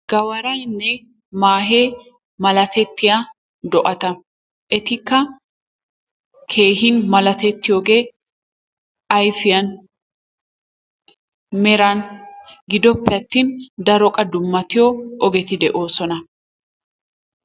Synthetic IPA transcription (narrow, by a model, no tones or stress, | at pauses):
ɡ̥ɐwɐɾɐjnːɛ | maːɦeː | mɐlɐt̪ɛt̪ːɪja | d̪ɔʔɐt̪ɐ | ʔɛt̪ɪkːɐ | kʰe̞ːhɪnmɐlɐt̪ɛt̪ːɪjoːɡe̞ː | ʔɐjfɪjɐn | mɛɾɐnɡɪd̪ɔpːɛɐt̪ːiːnd̪ɐɾɔkʼɐd̪ʊmːɐt̪ɪjɔʔɔɡɛt̪ɪd̪ɛʔo̞ːsɔnɐ